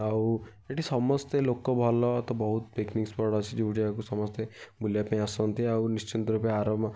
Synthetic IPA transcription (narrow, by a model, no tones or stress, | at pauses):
aw | eʈisɔmɔst̪elokɔbʱɔlɔt̪ɔbɔɦut̪peknikspɔɽɔt͡ʃʰid͡ʒeuʈʰiakusɔmɔst̪ebʱuljapaĩasɔnt̪iawnist͡ʃint̪ɔɾupjaːɾɔbma